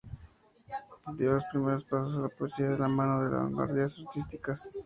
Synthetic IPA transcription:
ped̪jolospɾime̞ɾo̞spasosalapoesiaðelamãnoðe̞la̰βa̰ŋɡwa̰ɾðiasaɾt̪ist̪ikas

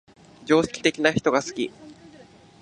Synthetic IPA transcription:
d͡ʑo̞ːɕi̥kʲi̥t̪e̞kʲinaçi̥t̪o̞ɡasɨ̥kʲḭ

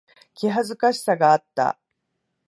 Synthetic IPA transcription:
kʲiɦazɨkaɕi̥saɡaːt̪ːa̰

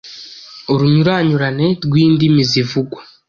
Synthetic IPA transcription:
oɾuɲuɾaːɲuɾane̞ɾɡwiːndimizivuɡwa

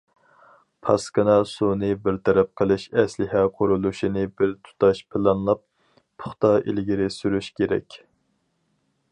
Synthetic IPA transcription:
pʰɑskɨnɑsunɨbɪɾt̪ʰɛɾɛp̚qʰəlˠɨʃɛslɪɦɛqʰoɾulˠuʃinɪbɪɾt̪ʰu̥t̪ɑʃpʰɪlˠɑnlˠɑp̚ | pʰʊ̥χt̪ɑḛlɡʲiɾɪsyɾyʃkʲʰeɾɛ̰kʲ

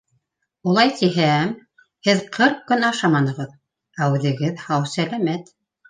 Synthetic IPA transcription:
ulˠɑjt̪iɦæm | hɘðqʰɤɾq̚kɵnɑʃɑmɑnɤ̆ʁɤð | æʉðɘ̆ɡɘðhɑwsælæmæt̪

